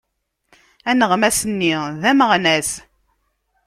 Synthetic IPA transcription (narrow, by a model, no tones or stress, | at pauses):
ænəʁmæsənːiðæməʁnæs